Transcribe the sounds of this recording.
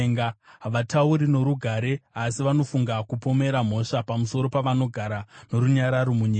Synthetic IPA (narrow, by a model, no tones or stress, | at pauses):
ŋɡaʋatauɾino̞ɾuɡʱaɾe̞asiʋano̞fuŋɡakupo̞me̞ɾam̤o̞ʂapamuso̞ɾo̞paʋano̞ɡʱaɾano̞ɾuɲaɾaɾo̞muɲiːa